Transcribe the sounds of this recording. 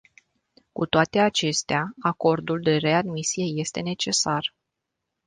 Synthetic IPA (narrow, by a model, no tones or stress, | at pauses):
kut̪oat̪e̞at͡ʃe̞st̪eaako̞rd̪uld̪e̞re̞ad̪misije̞je̞st̪e̞ne̞t͡ʃe̞sar